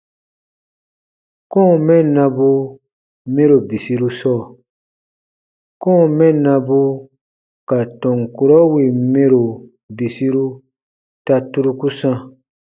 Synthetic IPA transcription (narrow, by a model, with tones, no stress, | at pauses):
kɔ̃˦˨mɛ̃˦˨nã˧bu˧ | mẽ˦ɾo˨bi˨si˧ɾu˦sɔː˦˨ | kɔ̃˦˨mɛ̃˦˨nã˧bu˧ | ka˨tɔ̃˨ŋku˨ɾɔ˦wi˨mẽ˦ɾo˨ | bi˨si˦ɾu˦ | ta˧tu˦ɾu˧ku˦sã˧